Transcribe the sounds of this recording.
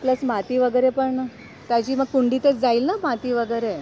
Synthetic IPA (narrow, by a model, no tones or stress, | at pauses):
pləsm̤at̪iːʋəɡəɾepəɾnə | t̪jat͡ɕiːməɡ̚kuɳɖiːt̪ət͡sd͡zaiːlnamat̪iːʋəɡəɾe